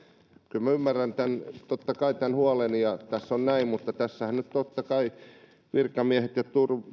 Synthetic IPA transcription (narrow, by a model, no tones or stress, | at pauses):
kylmæymːærːænt̪ænt̪ot̪ːɑkɑit̪ænhuɑlenjɑt̪æsːonnæimmut̪ːɑt̪æsːæhænnyt̪t̪ot̪ːɑkɑi | ʋirkɑmiæhet̪jɑt̪ur